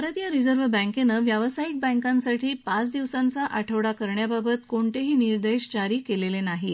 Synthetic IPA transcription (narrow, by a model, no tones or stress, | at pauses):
pəɾət̪ijaɾid͡zəɾʋəbə̃ŋkenəːʋjaʋəsaik̚bə̃ŋkansaʈiːpat͡sd̪iʋsãnt͡saʔaʈʰəʋɽakəɾɳjababət̪koɳt̪eɦiːniɾd̪eɕt͡ɕaɾiːkelelenaɦi